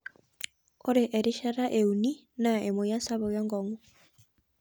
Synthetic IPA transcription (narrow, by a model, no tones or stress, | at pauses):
oɾeʔeɾiʃaɾaʔeuni | naemojasaβoɣɛŋɡɔŋu